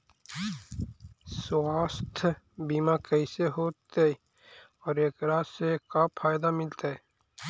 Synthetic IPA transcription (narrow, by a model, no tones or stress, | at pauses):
swaːst̪ʰ | biːmakəɪseɦoːt̪eɛ | ɔːɾeːkɾasekapʰaːjd̪amɪlt̪aɦɛ